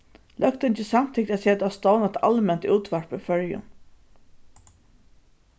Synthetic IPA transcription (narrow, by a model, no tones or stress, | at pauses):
lʔœkt̪ɪnt̪ɪsamt̪ʰɪk̚t̪ʲæt̪seːt̪ast̪ɔwnat̪a̰lmɛnt̪uːt̪ʋaɹpɪfœɹjʊ̰n